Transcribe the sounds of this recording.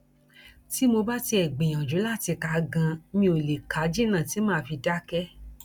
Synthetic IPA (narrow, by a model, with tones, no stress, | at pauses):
ti˨˦mo˧ba˦ti˧ɛ˨ɡ͡bẽ˨j̃ã˨d͡ʒu˨˦la˦˨ti˧ka˨˦ɡã˧˦mĩ˧o˨le˨ka˨˦d͡ʒi˦nã˦˨ti˨˦mãː˦˨fi˧da˦kɛ˦